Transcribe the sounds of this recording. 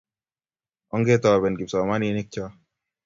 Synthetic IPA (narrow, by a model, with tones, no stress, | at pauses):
ɔ˦ŋɡe˦t̪ɔ˨bɛ˨nɡi˨psɔ˨ma˦ni˧˦ni˦k̚t͡ʃɔ˦